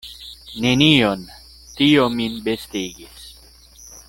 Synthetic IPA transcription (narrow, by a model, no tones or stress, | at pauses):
nenion | t̪iominbest̪iɡis